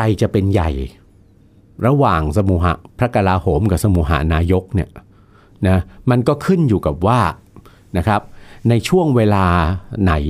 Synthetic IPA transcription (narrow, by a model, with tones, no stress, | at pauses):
kʰa˧jt͡ɕa˨˩ʔpe˧nja̰˨˩j | ɾa˧waː˨˩ŋsa˧muː˧˩ɦa̰˩˦pʰɾa˦˥ka˧laː˧hoː˩˦mka˨˩sa˧muː˧˩ɦa̰˩˦naː˧jo˦˥k̚ni˦˥˩ɐ | na˦˥ma˧nkɔː˥˩kʰɯ˥˩njuː˨˩ka˨˩p̚waː˥˩ | na˦˥kʰɾa˦˥p̚na˧jt͡ɕʰu˥˩əŋweː˧laː˧na˩˦j